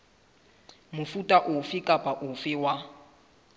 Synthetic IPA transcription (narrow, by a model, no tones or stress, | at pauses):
mʊfutʼaʔʊfɪkʼapʼaʔʊfɪwa